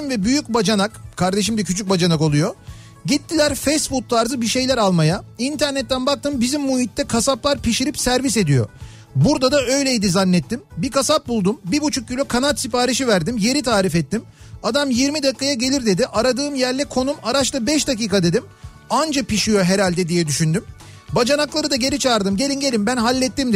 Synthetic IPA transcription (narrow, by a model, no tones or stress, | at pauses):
mvɛbyjyc̚bad͡ʒanakkʰaɾd̪e̞ʃ̬imd̪ɛcʰyt͡ʃʰyc̚bad͡ʒanako̞lˠujo̞ | ɟit̪ːilʲæɾfejsbut̪̚laːɾzɯbiʃe̞jlʲæɾalˠmajaint̪ʰæɾnɛt̪ːænbak̚t̪ʰɯmbizimːuhit̪ːɛkʰasaplˠaɾpiʃiɾipsæɾvise̞d̪ijo̞̰ | buɾd̪ad̪aø̞jlʲejid̪izanːɛt̪ːimbikasap̚bulˠd̪umbibut͡ʃʰuk̚ɟylʲykʰanat̪sipaːɾiʃ̬ivæɾd̪imje̞ɾit̪ʰaːɾifɛt̪ːim | ad̪amjiɾmid̪akːajaɟe̞lʲiɾd̪e̞d̪iʔaɾad̪ɯːmjæɾlʲɛkʰo̞numaɾat͡ʃt̪ˠɯbɛʃd̪aciːkad̪e̞d̪im | and͡ʒapiʃijo̞ɦe̞ɾalʲd̪ɛd̪ijɛd̪yʃynd̪ym | bad͡ʒanaklˠaɾɯd̪aɟe̞ɾʲit͡ʃʰaːɾd̪ɯmɟe̞lʲinɟe̞lʲimbænɦalʲːɛt̪ːimd̪